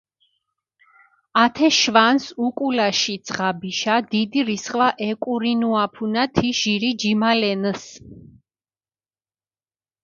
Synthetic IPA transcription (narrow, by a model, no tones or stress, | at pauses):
at̪ʰɛʃvansukʼulaʃid̪sʼχabiʃad̪id̪iɾisχʼvaʔɛkʼuɾinuapʰunat̪ʰiʃiɾid͡ʒimalɛns